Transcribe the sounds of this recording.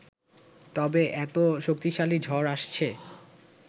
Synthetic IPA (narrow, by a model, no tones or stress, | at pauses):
t̪ɔbeʔɛt̪oʃok̚t̪iʃalid͡ʑʱɔɾaʃt͡ɕʰe